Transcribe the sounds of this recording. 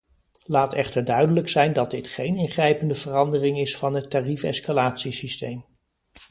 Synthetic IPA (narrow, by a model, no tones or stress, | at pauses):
laːtɛχtəɹdœɥdələksɛjndɑd̚dɪtχejnɪnχrɛjpəndəvərɑndərɪŋɪsfɑnɦətarifɛ̰skalaːtsisistejm